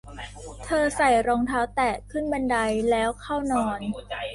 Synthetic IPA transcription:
t̪ʰɤː˧sa˨˩jɾɔː˧ŋt̪ʰaː˦˥wt̪ɛː˨˩kʰɯ˥˩nba˧nda˧jlɛː˦˥wkʰa˥˩wnɔː˧n

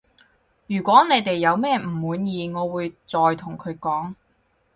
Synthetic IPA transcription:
jyː˨˩kʷɔː˨˥ne˨˧jt̪e˨jːɐ˨˧wmɛː˥m̩˨˩wuː˨˧njiː˨ŋɔː˨˧wuː˨˧jt͡sɔː˨jt̪ʰʊ˨˩ŋkʰɵ˨˧ɥkɔː˨˥ŋ

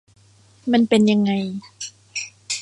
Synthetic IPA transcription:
ma˧npe˧nja˧ŋːa˧j

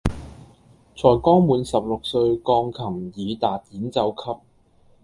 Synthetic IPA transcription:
t͡sʰɔː˨˩jkɔː˥ŋmuː˨˧nsɐ˨p̚lʊ˨k̚sɵ˧ɥkɔː˧ŋkʰɐ˨˩ŋjiː˨˧t̪aː˨t̚jiː˨˥nt͡sɐ˨˧wkʰɐ˥p̚

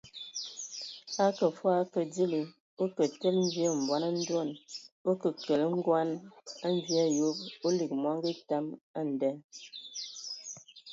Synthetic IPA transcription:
a˦kə˨fwa˦kə˨di˦li˨ | o˦kə˨te˦lm̩˦bi˦ə˦˨m̩˨bwa˨˦na˦n̩˦dɔ˦˨no˦kə˨kə˨lə˦ŋ̩˦ɡwa˦na˦n˦bi˦a˦jo˦po˦li˨k̚mwa˦ŋ˦ɡə˦ta˦ma˦˨n̩˨dɛ˦

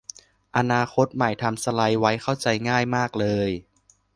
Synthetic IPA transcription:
ʔa˧naː˧xʰo˦˥t̪̚ma˨˩jt̪ʰa˧msa˧la˧jwa˦˥jkʰa˥˩wt͡ɕa˧jŋaː˥˩jmaː˥˩k̚lɤː˧j

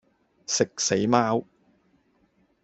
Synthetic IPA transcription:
sɪ˨k̚se˨˥jmaː˥w

